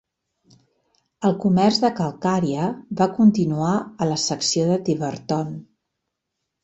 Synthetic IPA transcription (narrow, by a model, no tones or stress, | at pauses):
əlˠkumɛrzðəkəlˠkaɾiəβakunt̪inuaələsəksioðət̪iβəɾt̪ɔn